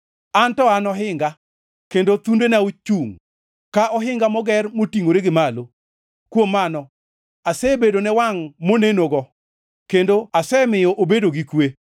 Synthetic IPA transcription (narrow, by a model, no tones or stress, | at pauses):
antɔanɔɦɪŋɡa | kendot̪undenaut͡ʃuŋ | kaʔɔɦɪŋɡamɔɡɛrmotiŋoɾeɡɪmalo | kwomːanɔ | asɛbedonɛwaŋmonenoɡɔ | kendoasɛmɪjɔʔobedoɡikwe